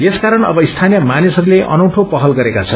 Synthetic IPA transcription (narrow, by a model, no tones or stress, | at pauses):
jeskaɾʌnʌ̰bʌist̪ʰanjʌmanisʌɾuleʔʌ̰nʌwʈʰopʌɦʌlɡʌɾekat͡sʰʌn